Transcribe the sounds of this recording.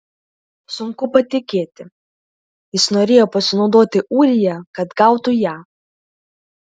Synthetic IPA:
sʊŋkʊpɐt̪ʲɪkʲeːt̪ʲɪ | jɪsnoːɾʲeːjoːpɐsʲɪnɒʊd̪oːt̪ʲɪʔuːɾʲɪjɛkɐt̪ɡɑʊt̪ujæː

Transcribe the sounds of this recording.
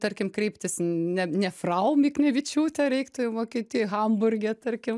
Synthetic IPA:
t̪ɐrʲkʲɪmkɾʲɛɪpʲt̪ʲɪsnʲɛnʲɛfrɐʊmʲiːknʲɛʋʲɪt͡ʃʲuːt̪ʲɛɾʲɛɪkt̪ʊʋoːkʲiːt̪ʲɪjxɐmbʊrʲɡʲɛt̪ɐrʲkʲɪm

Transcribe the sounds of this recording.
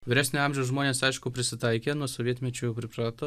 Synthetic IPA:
ʋʲɪɾʲæːsʲnʲʊɑmʲʒʲɛʊsʒmoːnʲeːsɐɪʃkʊpʲɾʲɪsʲɪt̪ɐɪkʲeːnuɔsoʋʲiɛt̪ʲmʲɛt͡ʃʲuːjɛʊpʲɾʲɪpɾɑːt̪oː

